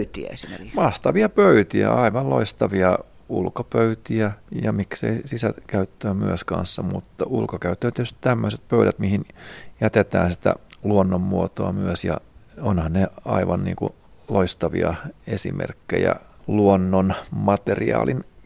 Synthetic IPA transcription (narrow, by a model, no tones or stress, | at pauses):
yt̪iæ̰esimrmɑht̪ɑʋiɑpøyt̪iæɑiʋɑllo̰ist̪ɑʋiɑ | ulkopøyt̪iæjɑmiksḛisisækæyt̪ːøːmyøskɑ̃nsːɑmut̪ːɑulkokæyt̪ˑːøːt̪eæt̪ysti̥t̪æmːøset̪̚pøyɾæt̪mihinjæt̪et̪æːnsit̪æ̰luonːommuot̪oɑmyøsjɑ̰onhɑnneɑiʋɑnnḭːŋkṵ | loist̪ɑʋḭɑesḭmʔḛrkːḛjɑ̰luonːonmɑt̪eriɑ̰ːlin